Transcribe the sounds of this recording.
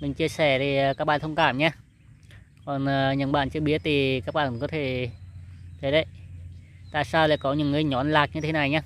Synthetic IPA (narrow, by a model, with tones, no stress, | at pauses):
mɨ˨˩ŋt͡ɕi˧əsɛ˧˩t̪ʰi˨˩˨kaː˦˥k̚ɓa̰ː˧˨t̪ʰwŋ͡mkaː˧˩mɲaː˧ | kɔ˨˩nəː˨˩ɲə˨˩nɓa̰ː˧˨nt͡ɕɨ˧əɓi˦˥ət̚t̪ʰi˨˩kaː˦˥k̚ɓa̰ː˧˨nkɔ˨˦t̪ʰe˧˩ | t̪ʰe˨˦ɗə˨˦j | t̪a̰ː˧˨jsaː˧wla̰ː˧˨jkɔ˨˦ɲɨ̰˧˥ŋːɨ˧˩əjɲɔ˨˦nlaː˨˩k̚ɲɨ˧t̪ʰe˨˦na˨˩jɲaː˧